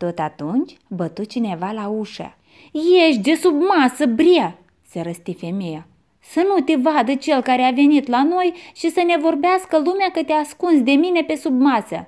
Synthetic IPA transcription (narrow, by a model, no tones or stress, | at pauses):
t̪o̞t̪at̪unt͡ʃʲbət̪ut̪̚t͡ʃine̞valauʃa̰ | jeʃt̪ʲd̪e̞submasəbɾija | seɾəst̪ife̞meja | sənut̪evad̪ət͡ʃe̞lkaɾeave̞nit̪lano̞jʃisəne̞vo̞rbeaskəlumeakət̪easkunsd̪e̞mine̞pe̞submasə̰